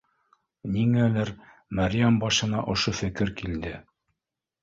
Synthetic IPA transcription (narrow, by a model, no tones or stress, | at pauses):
niŋælæɾ | mæɾʲjæmbɑʃɤ̆nɑʔŏʃofɘ̆kɘɾkild̪ɘ